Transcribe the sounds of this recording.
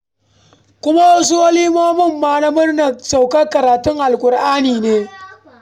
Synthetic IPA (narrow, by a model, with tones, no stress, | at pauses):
kʷʊ˦ma˦wɐ˦s̬u˦ʔɐ˦liː˦moː˦mɪ˦˨mːaː˦na˦mʊ˦rnɐ˨sa˨wkɐ˦kɐ˨ɾaː˨tʊ˦ŋʔa˨lkʷʼʊ˨ɾʔaː˦niː˨neː˦